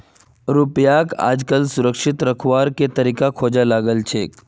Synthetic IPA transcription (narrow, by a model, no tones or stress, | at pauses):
ɾupjaka̰d͡zkəlsuɾəkʂit̪ɾəkʰʋaɾket̪əɾikakʰod͡ʑalaɡəlt͡ɕʰek